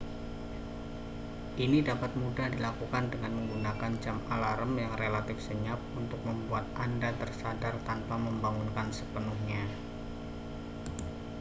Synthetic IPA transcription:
ʔinidapat̪̚mudahdilakukandəŋanməŋɡunakand͡ʒamalaɾəmjaŋrelat̪ɪfsəɲap̚unt̪ʊk̚məmbuat̪̚ʔandat̪ərsadart̪anpaməmbaŋunkansəpənuhɲa

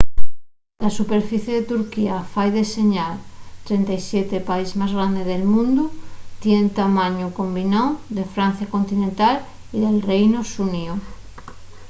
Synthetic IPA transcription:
lasupeɾfiθjeðet̪uɾkiafajðeseɲalt̪ɾent̪ajsjet̪epaizmazɣɾand̪eðelmũnd̪ut̪jent̪amãɲokombinond̪e̞fɾan̟θjakont̪inẽnt̪al | iðelrejnosunio

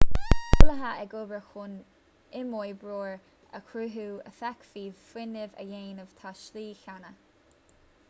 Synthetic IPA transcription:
kʰʊləɦaʔɛɡobɹəxʊn | ɪmɔjbɹoːɹ | əkʰɾuɦuːə̰fakfiːfwɪnɪvə̰jeːnəv̥t̪ʰaʃliːçanə

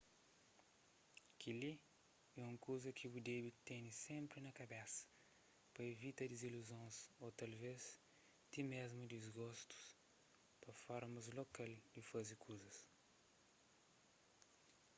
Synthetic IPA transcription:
kʰili | ɛũŋkuzɐkʰibud̪ebit̪ẽnisẽmpɾinɐkɐbɛsɐ̥ | pɐevit̪ɐd̪iziluzõsot̪ɐlvez | t̪imezmud̪izɡɔst̪u̥s | pɐfɔɾmɐzlokald̪ifɐzikʰuzɐs

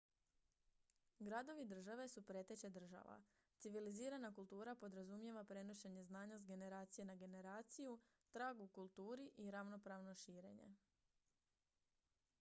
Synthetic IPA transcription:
ɡɾad̪o̞ʋid̪r̩ʒaʋe̞supɾe̞t̪et͡ɕed̪r̩ʒa̰ʋa̰ | t̪siʋiliziːɾanakulˠt̪uːɾapo̞d̪ɾazumje̞ʋapɾe̞noʃeɲe̞znaːɲasɡe̞ne̞ɾaːt̪sije̞naɡe̞ne̞ɾaːt̪siju | t̪ɾaːɡukulˠt̪uːɾiʔiɾaʋno̞pɾaːʋno̞ʃiːɾe̞̰ɲe̞̰

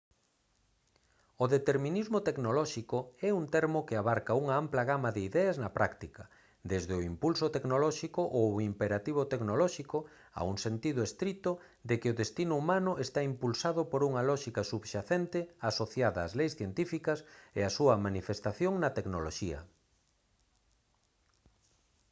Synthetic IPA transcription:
ʊðet̪eɾmĩnizmot̪eknolɔʃikoɛunt̪ɛɾmokɪaβaɾkɐuŋɐamplɐɣamɐðɪiðɛɐznɐpɾakt̪ikɐ | d̪ezðɪʊimpulsʊt̪eknolɔʃikoʔoimpeɾat̪iβ̞ot̪eknolɔʃikʊ | a̰uŋsent̪ið̞ʊest̪ɾit̪ʊ | d̪ekɪʊðest̪inʊumãnʊʔest̪aimpulsaðʊpoɾuŋɐlɔʃikɐsuβʃaθent̪ɪasoθjaðɐːzlejsθjent̪ifikɐsḛasuɐmanifest̪aθjoŋnɐt̪eknoloʃiɐ̰

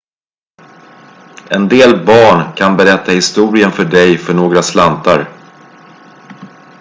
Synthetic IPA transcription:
ɛnd̪eːlbɑːɳkʰanbɛɾɛt̪ʰːahɪst̪uːɾɪənfœɖɛjfœɳoːɡɾaslant̪aɾ

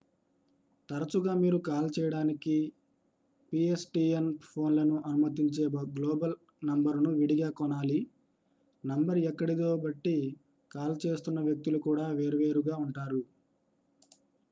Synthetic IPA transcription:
t̪ɐɾɐt͡ʃuɡaːmiːɾukaːlt͡ʃɛːjɐɽaːniki | piesʈiːenpʰo̞ːnlɐnuʔɐnumɐt̪iɲt͡ʃe̞ːbɐɡloːbɐl | nɐmbɐɾnuʋiɽiɡaːkɔnaːli | nɐmbɐɾɛkːɐɽid̪o̞ːbɐʈːi | kaːlt͡ʃe̞ːst̪unːɐʋjɐk̚t̪ulukuːɽaːʋe̞ːɾuʋe̞ːɾuɡaːuɳʈaːɾu

